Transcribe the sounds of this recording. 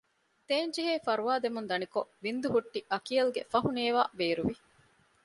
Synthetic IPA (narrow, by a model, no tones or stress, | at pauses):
t̪eːɲd͡ʒiɦeːfɐɾuʋaːd̪emund̪ɐnikoʋind̪uɦuʈːiʔɐkijɐluɡḛfɐɦuneːʋaːbeːɾuʋi